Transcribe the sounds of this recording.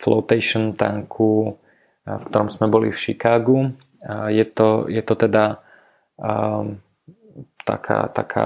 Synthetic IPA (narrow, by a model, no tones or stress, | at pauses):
flɔ̰ʊt̪ɛɪʃɔnt̪a̰ŋkʰu | fkt̪ɔɾɔmsmɛbɔlḭfʃikaːɡu | jɛt̪ɔjɛt̪ɔt̪ɛd̪a | t̪a̰kʰa̰ːt̪a̰kʰa̰ː